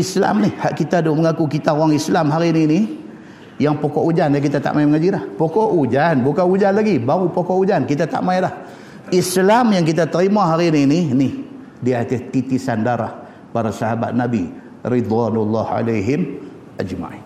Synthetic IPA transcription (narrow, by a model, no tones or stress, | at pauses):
isla̰mnɪhhaʔkit̪adoməŋakukit̪auaŋislamɦaɾinini | jaŋpokɔʔud͡ʒanak̬it̪at̪a̰ʔmajməŋad͡ʒilahpokɔʔud͡ʒanbukanud͡ʒanlaɡibaɾupokɔʔud͡ʒankit̪at̪a̰ʔmailah | islamjaŋkit̪at̪əɾimaɦaɾinininih | diat̪ɪht̪it̪isandaɾah | baɾasaɦaba̰t̪̚nabḭ | ɾid̪wanulːɑha̰laɦɪm | ʔa̰d͡ʒma̰ʕḭn